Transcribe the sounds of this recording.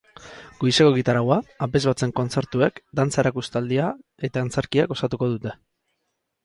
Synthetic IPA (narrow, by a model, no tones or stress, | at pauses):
ɡ̥ojse̞koɣit̪aɾawaːpe̞zβat͡se̞ŋko̞nt͡se̞ɾt̪ue̞kd̪ant͡saeɾakust̪ald̪ia | e̞t̪aːnt͡se̞ɾkiaɡo̞sat̪uko̞ðut̪e̞